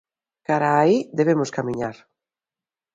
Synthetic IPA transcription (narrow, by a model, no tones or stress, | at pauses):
kaɾaːiðeβ̞emʊskamĩɲaɾ